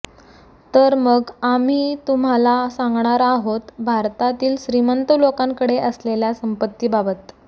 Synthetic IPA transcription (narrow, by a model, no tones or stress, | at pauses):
t̪əɾməɡam̤iːt̪um̤alasãŋɡɳaɾaɦot̪bʱaɾt̪at̪iːlɕɾimənt̪əlokãŋkəɽeʔəsleljasəmpət̪ːiːbabət̪